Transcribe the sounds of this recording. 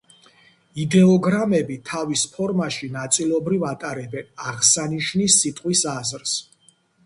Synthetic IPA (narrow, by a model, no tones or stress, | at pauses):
id̪ɛɔɡɾamɛbit̪ʰavispʰɔɾmaʃinat̪sʼilˠɔbɾivat̪ʼaɾɛbɛnaʁsaniʃnisːit̪ʼqʼwisazɾs